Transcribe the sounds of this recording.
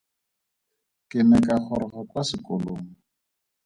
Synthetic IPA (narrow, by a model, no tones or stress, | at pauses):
kɪnɛkʼak͡xʰɔɾɔχɔkasɪkʼoloːŋ̩